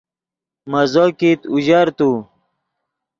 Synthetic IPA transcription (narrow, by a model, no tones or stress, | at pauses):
mɐzokit̪uʑɐɾt̪u